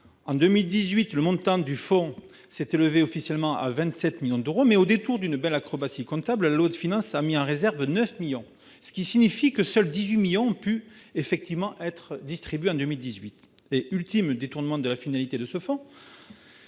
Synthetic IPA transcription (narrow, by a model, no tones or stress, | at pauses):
ɑ̃d̪ømild̪izɥit̪ləmɔ̃t̪ɑ̃d̪yfɔ̃ | sɛt̪eləveɔfisjɛlmɑ̃ʔa̰vɛ̃t̪sɛt̪miljɔ̃d̪øʁomɛod̪et̪uʁd̪ynbɛlakχɔbasikɔ̃t̪abllalod̪əfinɑ̃samiɑ̃ʁezɛʁvnœfmiljɔ̃ | sə̥kʲisinifikəsœld̪izɥimiljɔ̃ɔ̃py | efɛk̚t̪ivmɑ̃ʔɛt̪χd̪ist̪χibɥeɑ̃d̪ømild̪izɥit̪ | eylt̪imd̪et̪uʁnəmɑ̃d̪əlafinalit̪ed̪əsəfɔ̃